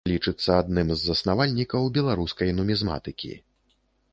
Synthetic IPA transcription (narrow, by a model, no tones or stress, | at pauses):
lʲit͡ʂɨt̪sːɐad̪̚nɨmzːɐsnavalʲnʲikɐwbʲɛlˠaɾuskɐjnumʲizma̰t̪ɨkʲḭ